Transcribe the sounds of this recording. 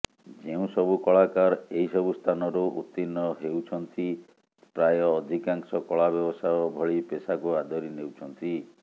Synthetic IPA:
d͡ʒeũsɔbukɔɭakaɾeɦisɔbust̪ʰanɔɾuʔṵt̪ːinːɔɦewt͡ʃʰɔnt̪i | pɾajɔːd̪ʱikaŋsɔkɔɭabjɔbɔsajɔbʱɔɭipesakuad̪ʱɔɾinewt͡ʃʰɔnt̪i

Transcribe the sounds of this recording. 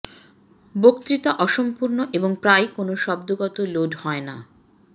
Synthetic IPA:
bokt̪ɾit̪aʔɔʃompuɾnoʔeboŋpɾajkonoʃɔb̚d̪oɡɔt̪oloɖhɔena̰

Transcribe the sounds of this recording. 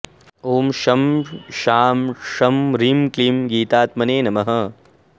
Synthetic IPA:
oːmʃɐmʃaːmʃɐmɾimklimɡiːt̪aːt̪̚mɐneːnɐmɐɦɐ

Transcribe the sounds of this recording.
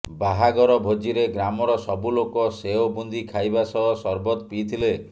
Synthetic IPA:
baɦaɡɔɾɔbʱod͡ʒiɾeɡɾamɔɾɔsɔbulokɔseobund̪ikʰajbasɔɦɔsɔɾbɔt̪pit̪ʰile

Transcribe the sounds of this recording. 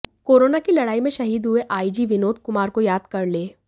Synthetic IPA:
koːɾoːnakilɐɽaːimẽʃɐɦiːd̪ɦʊeʔaːid͡ʒiʋɪnoːd̪̚ʱkʊmaːɾkojaːd̪kɐɾleː

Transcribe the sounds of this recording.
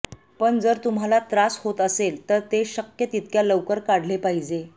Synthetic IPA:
pəɳd͡zəɾt̪um̤alat̪ɾashot̪əselt̪əɾt̪eɕəkjət̪it̪kjaləʋkəɾkaɽ̤lepaɦid͡ʑe

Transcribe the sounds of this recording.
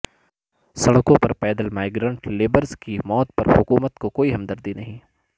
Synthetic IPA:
sɐɽkõpɐɾpɛːd̪əlmaːɪɡɾãːɳʈleːbəɾzkimɔːt̪̚pɐ̰ɾhʊkuːmət̪kokoːiɦɐmd̪əɾd̪inɐɦĩ

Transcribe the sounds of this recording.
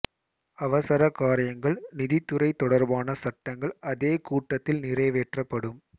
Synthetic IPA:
ɐʋɐsɐɾɐkaːɾɪjɐŋɡɐɭnɪðɪt̪ːɯɾɐɪt̪ːɔɽɐɾbaːnɐsɐʈːɐŋɡɐɭɐðeːkuːʈːɐt̪ːɪlnɪrɐːʋeːʈrɐpːɐɽɯm

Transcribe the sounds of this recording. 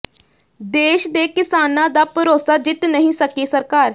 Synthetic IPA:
d̪eːʃd̪eːkɪsaːnãːd̪aːpəɾoːsaːd͡ʒɪt̪nəɦĩːsəkeːsəɾkaːɾ

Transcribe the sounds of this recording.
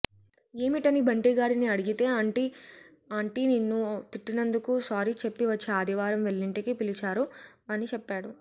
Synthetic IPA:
e̞ːmiʈɐnibʱɐɳʈiɡaːɽiniɐɽiɡit̪e̞ːɐɳʈi | aːɳʈininːut̪iʈːinɐnd̪ukusaːɾit͡ʃepːiʋɐt͡ʃːiaːd̪ʱiʋaːɾɐmʋe̞ɭːiɳʈikipilit͡ʃaːɾu | ɐnit͡ʃɛpːaːɽu

